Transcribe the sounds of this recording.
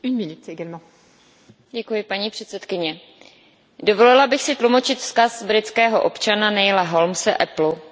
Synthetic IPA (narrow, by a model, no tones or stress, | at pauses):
ynminyt̪eɡalmɑ̃ | ɟɛkujɪpaɲiːpr̥ɛt̪sɛt̪kɪɲɛ | do̞vo̞lɪlabɪxsɪt̪lumo̞t͡ʃɪt̪fskasbɾɪt̪t͡skɛːɦoʔo̞pt͡ʃananɛjlaɦo̞lmsɛʔɛplu